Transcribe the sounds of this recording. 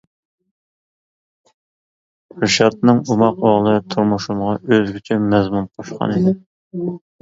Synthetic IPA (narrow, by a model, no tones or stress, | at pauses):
ɾɨʃɑt̪̚nɨŋumɑqoʁlˠɨt̪ʰuɾmuʃumʁɑʔøzɡʲit͡ʃʰymɛzmunqʰoʃqɑ̰nɨd̪ɪ